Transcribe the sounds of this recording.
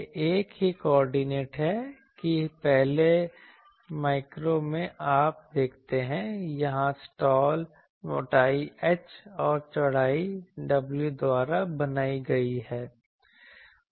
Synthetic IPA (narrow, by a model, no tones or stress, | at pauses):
ʔeːkɦikɔːɾɖineːʈɦɛ | kipɛɦle | maːɪkɾomẽʔaːp̚d̪eːkʰt̪eɦɛ̃jɐɦãsʈɔːl | mo̰ːʈaːiɛt͡ʃɔːɾt͡ʃɐɽ̤aːiɖɐbljud̪waːɾabɐnaːiɡɐiɦɛː